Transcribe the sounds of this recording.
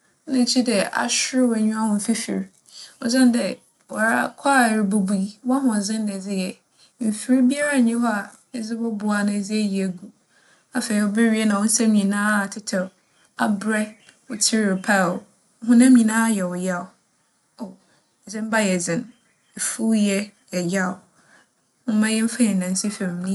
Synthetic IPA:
nã˨t͡ɕʰi˦dɛ˨a̰˨ɕᶣɪ˦ɾɪ˦wa˨ɲũ˦a˦hʊ̃˨fɪ˦fɪ̰˨ɾ | ɔ˨d͡zɪ̃˦n˦dɛ˨ | wɔ˨ɾa˦kʰa˦˨ɾɪ˨bu˨bu˦i˦wa˦ɦʊ̃˨zɪ̃˦n˦dɛ˨d͡zɪ˦jɛ˨ | m̩˨fɪ˨ɾi˦bi˦a˦ɾa˦˨ɲɪ̃˦hɔ˦a˨ | ɛ˨d͡zɪ˦bɔ˦bʊ˨a˨nã˨d͡zɪ˦æ˦ji˨e˨ɡu˦ | a˨fe˨ɾi˨ɔ˨bɪ˦ɾi˦ɛ˦nã˨wɔ̃˦n̩˦sɛ̃˦mĩ˨nãː˦˨tʰɪ˦tʰɛ˨ | a˦bɾɛ˦ | ʊ˨tʰi˦ɾɪ˨pʰa˦˨˦ | ɦʊ̃˦nã˦mĩ˨nã˦jɛ˨wʊ˨ja˦ʊ˨ | o˨ | d͡zɪ̃˦m˦ba˦jɛ˨d͡zɪ̃˨n | ɛ˨fu˦jɛ˦jɛ˨ja˦˨ʊ˨ | ʊ̃˦mã˦jɛ˦m̩˦fã˦jɛ˨n̩˨nã˨n˨si˦fɛ̃˨m˨nĩ˦

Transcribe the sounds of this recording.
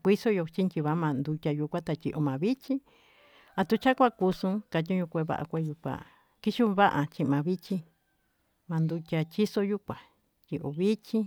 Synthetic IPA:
kʷi˦so˦jo˧t͡ʃi˦nt͡ʃi˧βa˦mã˧nd̪u˧tʲa˧ju˧kʷa˦t̪a˧t͡ʃʲi˧ʔo˧mã˨βi˦t͡ʃĩ˦ | a˧t̪u˧t͡ʃa˦kʷa˧ku˧sũ˧˦ka˧t̬ʲĩ˦ɲũ˧kʷe˧βa̰˧ʔa̰˧kʷe˧ju˧kʷa̰˧ | ki˦ʃu˦βa˦ʔa˧t͡ʃĩ˧mã˨˧βi˦t͡ʃĩ˧ | mã˧nd̪u˧tʲa˧t͡ʃi˦so˦ju˦kʷa˨ | t͡ʃʲi˧ʔo˨βi˦t͡ʃĩ˦

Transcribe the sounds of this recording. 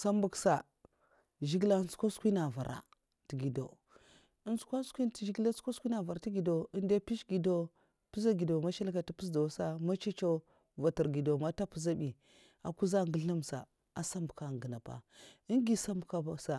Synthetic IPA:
sa˦mbu˨ksa˨ | ʒi˦ɡla˦n˦sko˦skʷi˦na˨va̰˨ɾʔa̰˨ | ti˨ɡi˨do̰˨ | ə˦nsu̥˦kʷa˦skʷi˦nti˨ʒi˦ɡla˦sko˦skʷi˦na˨va˨ɾti˦ɡi˨do˨i˦nde˦pi˦ʃɡi˨do˦ | pi˦za˦ɡi˨do˨ma˦ʃa˦lka˨ti˦pi˦sda˨˦sa˦ma˦t͡ʃi˦t͡ʃo˦ | va˨ti˨ɾɡi˨do˨ma˦ta˦pu˦za˦bi˨ | a˨ku˦za˦ŋɡə˦ɮa˦msa̰˨ | a˨sa˦mbu˨ka˨ŋɡə˨na˨pa̰˨i˦ŋɡi˨sa˦mbu˨ka˦ba˨˦sa˨

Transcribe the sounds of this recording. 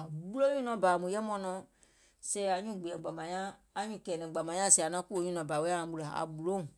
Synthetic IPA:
a˨ɓu˦lo˦ɲũ˦nɔ̃˧˦ba˨mũ˨jɛ˦mɔ̃˧˦nɔ̃˨˧˦ | sɛ˧˦a˨ɲũ˦˨ɡ͡be˨ɛ˨ɡ͡ba˨mã˨˦ɲãː˦˧ | ɲũ˦˨kɛː˨nɛ̃˨ɡ͡ba˨mã˨˦ã˦˨sɛ˧˨a˨nã˦ku˦o˨˦ɲũ˦nɔ̃˧˨ba˨we˦a˦nã˧˦ɓu˧la˨a̰˨ɓu˨lo˦ŋ˨

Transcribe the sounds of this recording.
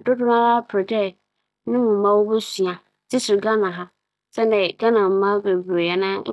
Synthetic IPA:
dʊ˦dʊ˦mã˦la˦pʰɾɪ˨dɛ˦ | nɪ̃˦mũ˨mã˦wo˦bɛ˦si˨ã˨ | tɪ˦sʊ˨ɡã˦nã˨ɦa˦ | sɛ˦nɛ˨ɡa˦nã˨m̩˨mã˦ɡe˨bɾe˨jɛ˨nã˦

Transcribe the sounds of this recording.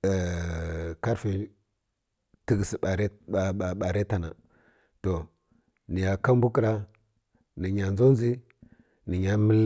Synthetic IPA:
ka˦ɾfi˨ | ti˦ɡi˨si˨a˨ɾa˨ɓa˨ɾe˦ta˨na˨ | to˨ | ni˨ja˨ka˦mbu˦ki˨ɾa˦ | ni˨ɲa˨nzo˦nzi˦ | ni˨ɲa˦mi˦l

